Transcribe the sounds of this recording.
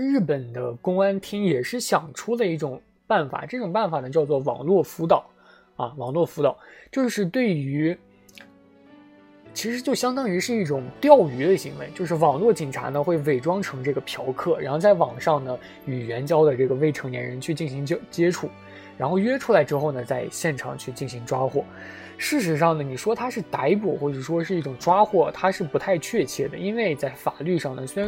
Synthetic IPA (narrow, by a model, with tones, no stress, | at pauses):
ɻɻ̩˥˩pə˨˩nd̪ə˦kʊ˥ŋa˥nt̪ʰi˥ŋjɛ˨˩ʂɻ̩˥˩ɕjɑ˨˩ŋʈ͡ʂʰu˥lə˨i˥˩ʈ͡ʂʊ˨˩ŋ | pa˥˩nfa̰˨˩ʈ͡ʂɤ˥˩ʈ͡ʂʊ˨˩ŋpa˥˩nfa˨˩nə˦t͡ɕjɑ˥˧ʊt͡swɔ˥˩wɑ̰˨˩ŋlwɔ˥˩fu˧˥t̪ɑ˨˩˦ʊ | ɐ̰˧wɑ˨˩ŋlwɔ˥˩fu˧˥t̪ɑ˨˩˦ʊt͡ɕjo˥˧ʊʂɻ̩˥˧t̪we˥˩ɪy˧˥ | t͡ɕʰi˧˥ʂɻ̩˧˥t͡ɕjo˥˩ʊɕjɑ˥ŋt̪ɑ˥ŋi˧˥ʂɻ̩˥˧i˥˩ʈ͡ʂʊ˨˩ŋt̪jɑ˥˩ʊy˧˥d̪ə˧ɕi˧˥ŋwe˧˥ɪt͡ɕjo˥˧ʊʂɻ̩˥˩wɑ˨˩ŋlwɔ˥˩t͡ɕi˨˩ŋʈ͡ʂʰa̰˧˥nə˧xwe˥˧ɪwe˥˩ɪʈ͡ʂwɑ˥ŋʈ͡ʂʰɤ˧˥ŋʈ͡ʂɤ˥˩ɡə˩pʰjɑ˧˥ʊkʰɤ˥˩ɻa˧˥nxo˥˧ʊt͡sa˥˩wɑ˨˩ŋʂɑ˥˩ŋnə˩ | y˨˩ɥɛ˧˥nt͡ɕjɑ˥ʊd̪ə˨ʈ͡ʂɤ˥˩ɡə˩we˥˩ɪʈ͡ʂʰɤ˧˥ŋnjɛ̰˧˥nɻə˧˥nt͡ɕʰy˥˧t͡ɕi˥˩nɕi˧˥ŋ˥t͡ɕjɛ˥ʈ͡ʂʰu˥˩ | ɻa˧˥nxo˥˩ʊɥɛ˥ʈ͡ʂʰu˥la˧˥ɪʈ͡ʂɻ̩˥xo˥˧ʊnə˩t͡sa˥˧ɪɕjɛ˥˩nʈ͡ʂʰɑ̰˨˩ŋt͡ɕʰy˥˧t͡ɕi˥˩nɕi˧˥ŋʈ͡ʂwa˥xwɔ˥˩ | ʂɻ̩˥˩ʂ̬ɻ̩˧˥ʂɑ˥˩ŋnə˩ni˨˩ʂwɔ˥t̪ʰa˥ʂɻ̩˥˩t̪a˧˥ɪpu˨˩xwɔ˥˩ʈ͡ʂɤ˨˩ʂwɔ˥ʂɻ̩˥˧i˥˩ʈ͡ʂʊ˨˩ŋʈ͡ʂwa˥xwɔ˥˩t̪ʰa˥ʂɻ̩˥˩pu˧˥t̪ʰa˥˧ɪt͡ɕʰɥɛ˥˧t͡ɕʰjɛ˥˩d̪ə̰˩i˥nwe˥˧ɪt͡sa˥˩ɪfa˨˩ly˥˧ʂɑ˥˩ŋnə˩swe˥˧ɻa˧˥